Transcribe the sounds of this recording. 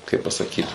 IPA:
kɐɪ pɐsɐˈkʲiːt

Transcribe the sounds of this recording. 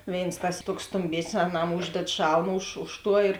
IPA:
ˈʋʲeːɪns tɐs ˈtuɔks stʊmʲˈbʲeːsʲnʲɪs ɐˈnɐm ˈuːʒʲdʲɛt ˈʃɐlˠm ʊʃ ˈʊʃ ˌtuɔ ɪr

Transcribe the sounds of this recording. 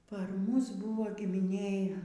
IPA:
pɐr ˈmʊs ˈbuːʋoː ɡʲɪmʲɪˈnʲeːj

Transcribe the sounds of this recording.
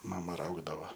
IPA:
ˈmɑːmɐ ˈrɐʊɡdɐʋɐ

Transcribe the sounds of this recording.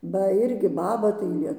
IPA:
ˈbɐ ɪrʲɡʲɪ ˈbɑːbɐ tɐɪ ˈlʲiɛ

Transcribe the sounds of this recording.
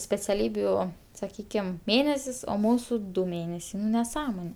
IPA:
sʲpʲɛt͡sʲɛˈlʲiːbʲuː sɐˈkʲiːkʲɪm ˈmʲeːnʲɛsʲɪs oː ˈmuːsʊ ˈdʊ ˈmʲeːnʲɛsʲɛɪ nʊ nʲɛˈsɑːmoːnʲɛ

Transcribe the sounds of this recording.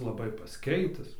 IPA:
lˠɐˈbɐɪ pɐsʲˈkʲɛɪtʲɪs

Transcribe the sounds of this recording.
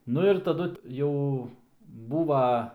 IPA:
ˈnʊ ɪr tɐˈdʊ ˈjɛʊ ˈbuːʋɐ

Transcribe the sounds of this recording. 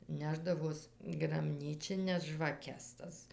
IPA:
ˈnʲæːʒdɐʋoːs ɡrɐˈbʲnʲiːt͡ʃʲɪnʲɛs ʒʋɐˈkʲɛs ˈtɐs

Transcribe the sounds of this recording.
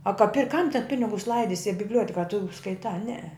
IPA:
ɐ kɐ pʲɪrʲ kɐm tʲɛn ˈpʲɪnʲɪɡʊs ˈlˠɐɪdʲɪsʲɪ ɐ bʲɪbʲˈlʲuɔtʲɛkɐ ɐ tʊ skɐɪˈtɑː ˈnʲɛɛ

